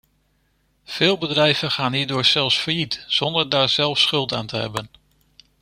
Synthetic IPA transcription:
v̥ɪːlˠbədrɛjv̥ənχaːnɦiːɹdʊːɹz̥ɛlˠfsfəɹjitz̥ɔndəɹdaːɹz̥ɛlˠfsχɵlˠta̰ːntəɦɛ̰bən

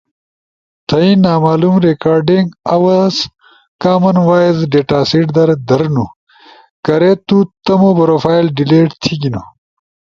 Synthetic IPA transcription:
t̪ʰɐinaːmaːlumɾekaːɾɖiŋɡɐwɐz | kaːmɐnwaːizɖeːʈaːsiʈd̪ɐɾd̪ɐɾnu | kɐɾet̪ut̪ɐmobɐɾoːfaːjlɖileːʈt̪ʰiɡinu

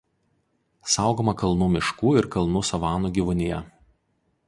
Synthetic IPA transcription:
sɑˑʊɡoːmɐkɐlˠnuːmʲɪʃkuːɪɾkɐlˠnuːsɐʋɑːnuːɡʲiʋʊnʲɪjɛ

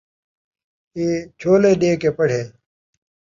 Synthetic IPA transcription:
eːt͡ɕʰoːleːɖeːkepɐɽ̤ʱeː

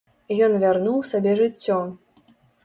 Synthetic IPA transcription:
ijɔnvʲarnuwsʲabʲɛʐɨt͡sʲːɔ

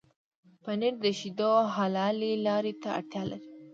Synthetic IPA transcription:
paneɾd̪əʃid̪oɦɑlɑlelɑɾet̪aa̰ɽt̪jɑla̰ɾi

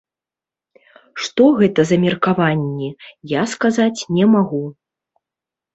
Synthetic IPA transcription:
ʂt̪ɔɣɛt̪ɐzɐmʲɛrkavanʲːijaskazat͡sʲnʲɛmaɣu

